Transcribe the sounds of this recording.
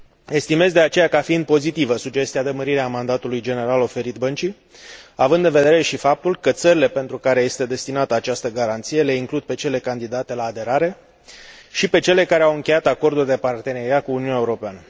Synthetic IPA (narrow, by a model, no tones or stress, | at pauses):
e̞st̪ime̞zd̪e̞at͡ʃe̞jakafiind̪̚po̞zit̪ivəsud͡ʒe̞st̪iad̪eməɾiɾeamand̪at̪ulujd͡ʒe̞ne̞ɾalo̞fe̞ɾit̪bənt͡ʃi | avɨnd̪ːɨnve̞d̪e̞ɾe̞ʃifap̚t̪ulkət̪səɾile̞pe̞nt̪ɾukaɾe̞je̞st̪e̞d̪e̞st̪inat̪əat͡ʃast̪əɡaɾant̪sije̞le̞iŋklud̪̚pe̞t͡ʃe̞le̞kand̪id̪at̪e̞laːd̪e̞ɾaɾe̞ | ʃipe̞t͡ʃe̞le̞kaɾe̞awɨŋkʲejat̪ako̞rd̪uld̪e̞part̪e̞ne̞ɾiat̪̚kuːniunaeuɾo̞peanə